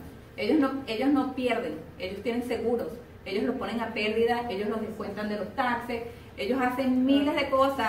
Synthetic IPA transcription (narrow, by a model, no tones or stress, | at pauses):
e̞ʝosnoe̞ʝo̞sno̞pje̞ɾðe̞ŋe̞ʝo̞st̪je̞nẽ̞ŋse̞ɣuɾo̞s | e̞ʝo̞slo̞spo̞ne̞ŋape̞ld̪iðae̞ʝo̞slo̞zðeskwe̞nt̪and̪e̞lo̞st̪akses | e̞ʝo̞sase̞ŋmĩle̞zðe̞ko̞sa